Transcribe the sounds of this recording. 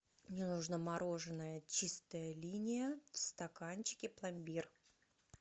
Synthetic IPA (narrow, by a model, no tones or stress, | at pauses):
mnʲɪnʊʐnəmɐɾo̞ʐɨnːəjət͡ɕist̪əjəlʲinʲɪjəfst̪ɐkanʲt͡ɕɪ̥kʲɪplˠɐmʲbʲir